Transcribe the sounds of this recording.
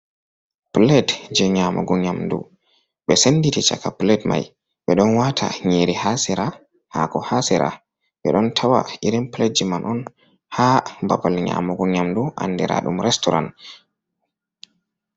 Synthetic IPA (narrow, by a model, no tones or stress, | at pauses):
plɛtd͡ʒɛɲaːmɔ̰ɡɔɲamdṵ | ɓɛsenːditit͡ʃa̰kaplɛtma̰j | ɓɛɗɔnwatʰa̰ɲeɾihasɛɾa | ha̰kɔhasɛɾa̰ | ɓɛɗɔntʰawa̰ʔiɾimpled͡ʒimanʔɔn | hambabalɲa̰mɔɡɔɲamduʔa̰nːdɛɾa̰ɗumɾɛstɔɾa̰n